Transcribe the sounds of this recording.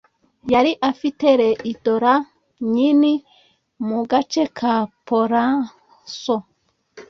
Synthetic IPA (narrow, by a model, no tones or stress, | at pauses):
jaɾiʔafiteɾeʔitoɾa | ɲini | muɡat͡ʃekʰapoɾa | so